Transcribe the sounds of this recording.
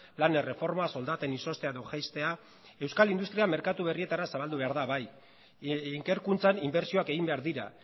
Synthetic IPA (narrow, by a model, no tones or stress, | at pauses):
lanere̞fo̞ɾmaso̞ld̪at̪e̞niso̞st̪eaðoʝajst̪e̞a | e̞wskalind̪ust̪ɾiame̞ɾkat̪uβ̞e̞rie̞t̪aɾasaβ̞ald̪uβe̞aɾðaβaj | iŋke̞ɾkunt͡sanimbe̞ɾsio̞ake̞ɣimbe̞aɾðiɾa̰